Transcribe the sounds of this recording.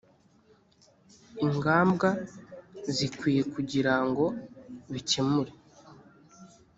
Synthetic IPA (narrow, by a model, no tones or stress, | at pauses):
iŋɡaːmbɡa | zikwiːje̞kuɟiɾaŋɡo̞βicemuɾe